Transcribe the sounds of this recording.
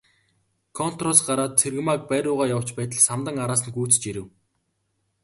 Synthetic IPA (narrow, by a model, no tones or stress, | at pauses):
kʰɔn̥t̪rɔsɢaɾaːt̪̚t͡sʰerɣmak̚pæːɾʲʊːʁaːjaw̥t͡ɕpæːt̪ə̆ɮsamt̪ə̆ŋaɾaːs̬ə̆nɡuːt͡s̆t͡ɕiɾɘ̆w